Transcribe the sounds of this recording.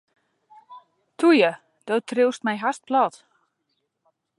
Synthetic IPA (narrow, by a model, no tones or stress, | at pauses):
tʰujə | d̥oːtrɪwstmɛjɦast̚plɔt